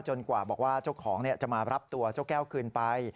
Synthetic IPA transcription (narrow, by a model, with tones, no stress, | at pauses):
t͡ɕo˧nkwaː˨˩bɔː˨˩k̚waː˥˩t͡ɕo˥˩kʰɔː˩˦ŋni˥˩ɐt͡ɕa˨˩maː˧ɾa˦˥p̚t̪u˧ɐt͡ɕoː˥˩kɛː˥˩wkʰɯː˧npa˧j